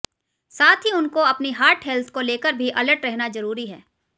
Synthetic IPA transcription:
saːt̪ʰɦiʊnkoɐpniɦaːɾʈɦɛlt̪ʰkoleːkəɾbʱiʔɐləɾʈɾɛɦnazɐɾuːɾiɦɛː

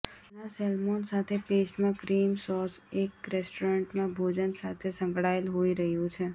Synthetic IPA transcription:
nasɛlmonsat̪ʰepesʈmãkɾimsɔsekɾesʈoɾəɳʈmãbʱod͡ʒənsat̪ʰesə̃ŋɡɽaelɦoiɾəɦjũt͡ʃʰe

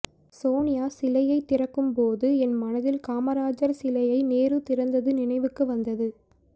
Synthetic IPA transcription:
soːnɪjaːsɪlɐjɐɪt̪ːɪrɐkːɯmpoːðɯɛnmɐnɐðɪlkaːmɐɾaːd͡ʒɐɾsɪlɐjɐɪneːɾɯt̪ɪɾɐnd̪ɐðɯnɪnɐɪʋɯkːɯʋɐnd̪ɐðɯ

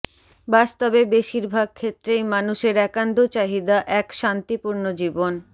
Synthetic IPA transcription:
bast̪obebeʃiɾbʱaɡ̚kʰet̪ːɾejmanuʃeɾɛkand̪ʱot͡ɕaɦid̪aʔɛkʃant̪ipuɾnod͡ʑibon

